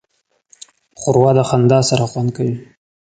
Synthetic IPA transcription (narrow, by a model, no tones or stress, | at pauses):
χʊɾwad̪axand̪ɑsaɾaχwand̪̚kawi